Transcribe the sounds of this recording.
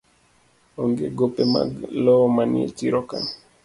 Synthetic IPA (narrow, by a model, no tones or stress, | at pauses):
ɔŋɡeɡopema̰lɔmaniḛt͡ʃiɾɔkan